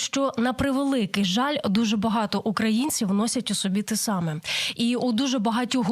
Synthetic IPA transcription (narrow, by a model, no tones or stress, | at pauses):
ʃt͡ʃɔnɐpɾɪʋelˠɪkɪjʒɑlʲd̪uʒɛbɐɦɑt̪ɔʔukɾɐjinʲt͡sʲiwnɔsʲɐtʲusɔbʲit̪ɛsɑmɛiud̪uʒɛbɐɦɑtʲuɦ